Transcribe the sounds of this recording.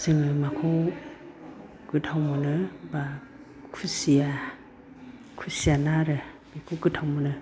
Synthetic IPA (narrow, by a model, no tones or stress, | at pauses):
sɯŋɯmakʰo | ɡ̥ɯtʰawmɯnɯba | kʰusija | kʰusijanaɾɯ | bikʰoɡɯtʰawmɯnɯ